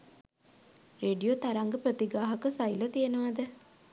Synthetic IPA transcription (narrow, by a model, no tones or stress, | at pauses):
ɾeːɖijot̪ɐɾaŋɡəpɾət̪iɡaːɦɐkəsɐjlət̪ijenəʋad̪ə